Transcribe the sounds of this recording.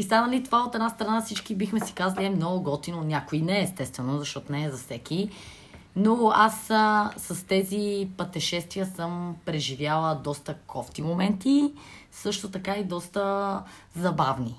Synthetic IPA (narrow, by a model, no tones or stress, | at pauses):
ist̪anəlit̪ovaot̪ɛd̪nast̪ɾɐnafsit͡ʃkibixmɛsi̥kazɐliɛmnɔɡʊɡɔt̪inonʲjakoinɛːst̪ɛst̪vɛnozɐʃt̪ɔt̪onɛːzɐfsɛki | noasːɐst̪ɛzipɐt̪ɛʃɛst̪vijəsəmpɾɛʒivjalˠəd̪ɔst̪əkʰɔft̪imomɛnt̪isɤʃt̪ot̪ɐkaid̪ɔst̪əzɐbavni